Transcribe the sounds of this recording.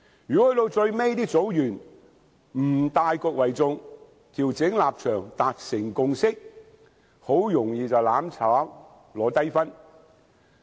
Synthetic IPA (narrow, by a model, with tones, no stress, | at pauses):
jyː˨˩kɔ˦˥hɵ˨˥t̪o˧wt͡sɵ˧ɥme˥jt̪iː˥k̚t͡so˨˥wjyː˨˩n | m̩˨˩t̪aː˧jkɔː˧k̚wɐ˨˩jt͡sʊ˧ŋ | t̪ʰiː˨˩wt͡sɪ˨˥ŋlaː˨p̚t͡ʃʰœː˨˩ŋt̪aː˨t̚sɪ˨˩ŋkʊ˧ŋsɪ˥k̚ | ho˨˥wjʊ˨˩ŋjiː˨t͡sɐ˨wlaː˨˥mt͡sʰaː˨˥w | lɔː˨˧t̪ɐ˥jfɐ˥n